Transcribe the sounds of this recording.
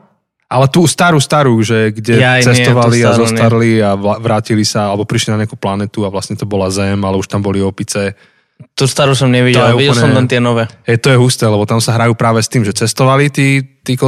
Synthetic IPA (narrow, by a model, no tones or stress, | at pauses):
ʔalɛt̪uːst̪aɾuːst̪aɾuʒɛɡɟɛasɛstt̪ɔʋaliaazɔsaɾliaʋaʋɾaːcilisaalɛbɔpɾiʃlinaɲɛakuplanɛt̪uaʋlasɲɛt̪ɔbɔlazɛmalɛuʃt̪ambɔliɔpit͡sɛ | t̪ust̪aɾusɔmɲɛʋiɟ̪ɔɛljɛuiɟɛlɛɔmlɛnt̪ɪɛnɔʋɛːɦɛjt̪ɔjɛɦust̪ɛːlɛbɔt̪amsaɦɾajuːpɾaːʋɛst̪iːmʒɛt͡sɛst̪ɔʋalit̪iːt̪ik